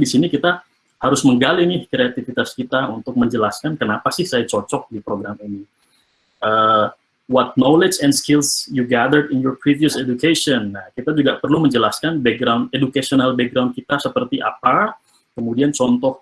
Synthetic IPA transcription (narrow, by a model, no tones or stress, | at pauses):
disinikit̪a | haɾʊsməŋɡalinɪhkɾeat̪ifit̪askit̪aunt̪ʊk̚məɲd͡ʒəlaskankənapasɪhsajat͡ʃɔt͡ʃɔk̚dipɾoɡɾamini | ʔəː | wɔt̪̚noled͡ʒɛnskɪlsjuɡad̪ərdɪnjɔrpɾiviəsed͡ʒukeʃɔnːahkit̪ad͡ʒuɡapərluməɲd͡ʒəlaskanbɛk̚ɡɾawndedukasionalbɛk̚ɡɾawndkit̪asəpərt̪iʔa̰pa | kəmudiant͡ʃɔnt̪ɔh